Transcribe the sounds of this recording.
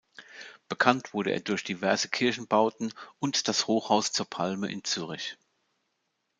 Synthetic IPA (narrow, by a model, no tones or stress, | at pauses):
b̥əkʰantv̥ʊɐɾəʔḛːɐdʊɐçd̥ivɛɐzəkʰɪɐçn̩baʊtn̩ʊntd̥ashoːxhaʊst͡suːɐpʰalmə̰ʔɪ̰nt͡syːʁ̞ɪç